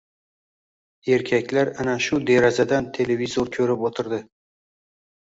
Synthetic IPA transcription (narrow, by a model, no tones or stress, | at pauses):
e̞ɾkʲʰakʲlaɾanaʃʊd̪e̞ɾazad̪ant̪ʰe̞le̞vizoɾkʲʰɵɾɪpot̪ʰɪɾd̪ɪ